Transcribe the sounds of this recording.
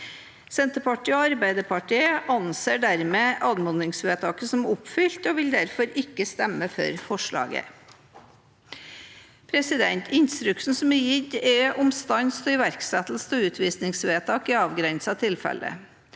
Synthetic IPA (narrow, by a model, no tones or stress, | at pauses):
sɛnt̪əpɑʈiːoɑɾbæɪd̪əɾpʰɑʈiːəʔɑnseːɖæɾmeːʔɑːd̪mɔnɪŋsʋeːt̪ʰɑːkəsɔmʊpfʏlt̪oːʋɪld̪æɾfɔɾɪkːəst̪ɛmːəfœ̰ɾfɔʂɭɑ̰ːɡə̰ | pʰɾɛsɪd̪ɛnt̪ʰɪnst̪ɾʉksn̩sɔmɛjɪd̪ɛʔʊmst̪ɑnst̪ɔɪʋæɾksɛt̪l̩st̪ɔʉːt̪ʰʋiːsnɪŋsʋeːt̪ʰɑːkɪɑːʋɡɾɛnsɑt̪ʰɪlfɛ̰lə̰